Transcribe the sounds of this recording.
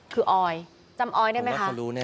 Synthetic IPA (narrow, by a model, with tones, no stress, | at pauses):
kʰɯː˧ʔɔː˧j | t͡ɕa˧mʔɔː˧jdɯ˥˩jma˦˥kʰʔ